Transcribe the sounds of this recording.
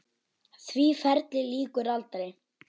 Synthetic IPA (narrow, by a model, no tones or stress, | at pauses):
θvifɛɾt̪lɪliːkʏɾalt̪ɾɪ